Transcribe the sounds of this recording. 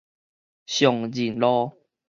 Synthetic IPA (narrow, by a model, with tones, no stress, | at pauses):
ɕjɔ˨˩ŋd͡ʑi˨˩nlɔ˦